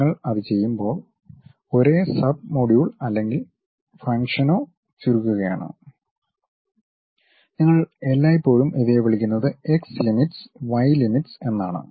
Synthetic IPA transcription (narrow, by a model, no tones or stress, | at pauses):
ŋːɐɭɐðɨt͡ɕe̞jːumbo̞ːɭ | o̞ɾe̞ːsɐb̚moːɽiʋuɭɐlːe̞ŋɡil | fɐŋkʂɐno̞ː | t͡ɕuɾukːuɣɐja̰ːɳɨ̰ | ɲiŋːɐɭelːaːjipːo̞ːɻumʔeðijeʋɐɭikʲːunːɐðɨekslimiʈsʋɐjlimiʈse̞nːa̰ːɳɨ̰